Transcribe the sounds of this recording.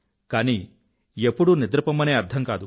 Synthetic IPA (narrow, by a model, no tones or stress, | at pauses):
kaːni | epːuɽunid̪ɾɐpɐmːɐneːɐɾt̪ʰɐŋkaːd̪u